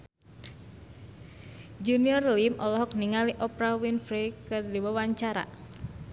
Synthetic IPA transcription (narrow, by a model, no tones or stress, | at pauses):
d͡ʒuniɔrlimʔɔlɔɦɔk̚niŋaliʔɔpɾawinfɾɛkɨrdiwawaɲt͡ʃaɾa̰